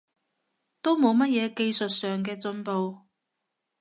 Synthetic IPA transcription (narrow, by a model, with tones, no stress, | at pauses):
t̪o˥wmo˨˧wmɐ˥t̚jɛː˨˧ke˧jsɵ˨t̚sœː˨ŋkɛː˧t͡sɵ˧npo˨˧w